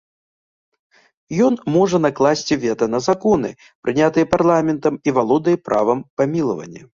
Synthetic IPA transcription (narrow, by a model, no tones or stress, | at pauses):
jɔnmɔʐɐnaklˠasʲt͡sʲivʲɛt̪ɐnɐzakɔnɨ̰ | pɾʔɨnʲat̪ɨjɛparlˠamʲɛnt̪ɐmivalˠɔd̪ɨjɛpɾʔa̰vɐmpamʲilˠɐvɐ̰nʲːɐ